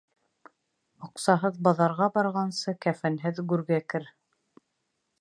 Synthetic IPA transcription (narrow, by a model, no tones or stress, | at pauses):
ŏqsɑɦɤðbɑðɑɾʁɑbɑɾʁɑnsɤkæfænɦɘðɡʉɾɡækɘɾ